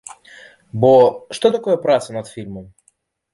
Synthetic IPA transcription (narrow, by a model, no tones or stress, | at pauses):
boʂt̪ot̪ɐko̞jəpɾat̪sənɐt̪fʲilʲməm